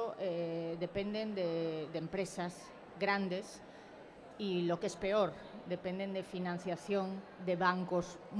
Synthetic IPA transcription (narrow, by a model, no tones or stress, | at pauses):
oʔeðe̞pend̪end̪edempɾesaz | ɣɾand̪es | ilokespe̞oɾ | d̪epend̪end̪efinãn̟θjaθjõŋ | d̪eβaŋkos | m